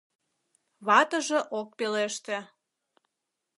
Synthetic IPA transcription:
βɑt̪əʒĕʔok̚peleʃt̪ĕ

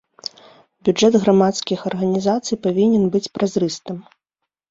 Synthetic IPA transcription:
bʲud͡ʐɛd̪ɣɾamat̪skʲixɐrɣɐnʲizat̪sɨjpavʲinʲɛnbɨt͡sʲpɾazrɨst̪ɨm

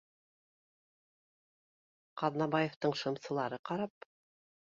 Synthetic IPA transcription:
qɑðnɑβɑjeft̪ɤɴʃɤ̆msɤ̆lˠɑɾɤqɑɾɑp

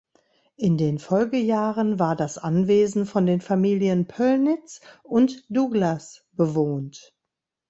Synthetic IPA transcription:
ʔɪndeːnfɔlɡəjaːʁənvaːɐdasʔanveːzn̩fɔndeːnfamiːljənpʰœlnɪt͡sʔʊntd̥uɡlasb̥əvoːnt

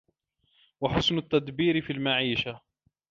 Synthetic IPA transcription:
waħʊsnʊt̪ːad̪biːɾɪfiːlmaʕiːʃa

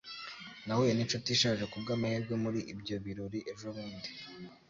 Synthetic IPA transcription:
nawojeniʃutiʃaːʒe̞kub̚ɡaːmahiɾɡwe̞muɾiʔibɟo̞βiɾoɾiʔe̞ʒoβuːndi

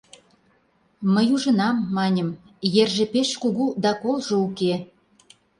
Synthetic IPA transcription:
məjuʒə̆nɑmːɑnʲə̆m | jerʒĕpeʃkuɣud̪ɑkolʒouke

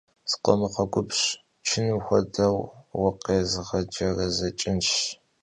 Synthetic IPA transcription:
z̥qʷɔ̰mɨqɐɡʷʊpɕ | t͡ʃʰɪnɨxʷɔdɐwwɐqeːzɨʁɐd͡ʒɐrɐzɐt͡ʃʼɪnʃ

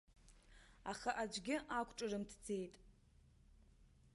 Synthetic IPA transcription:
aχaʔad͡ʒʷɡʲɪʔakʷʰʈ͡ʂʼɨrɨmtʰd͡ze̞jtʼ

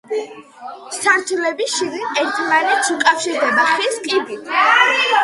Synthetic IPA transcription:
saɾt̪ʰulɛbiʃid̪inɛɾt̪ʰmanɛt̪sukʼafʃiɾd̪ɛbaχɾiskʼib̪i

